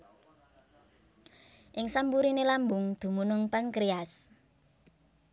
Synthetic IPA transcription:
ʔɪŋsambuɾinelambʊŋd̪̥ṳmunʊŋpankɾias

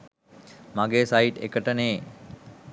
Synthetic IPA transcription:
maɡeːsaiʈḛkəʈəneː

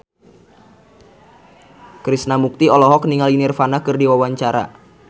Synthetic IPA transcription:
kɾisnamuk̚t̪iɔlɔɦɔk̚niŋalinɪrfanakɨrdiwawaɲt͡ʃaɾa̰

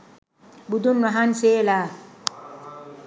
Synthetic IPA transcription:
bud̪unmaɦansela

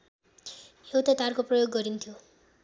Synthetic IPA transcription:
hewt̪at̪arkoprʌjoɡːʌɾint̪ʰjo

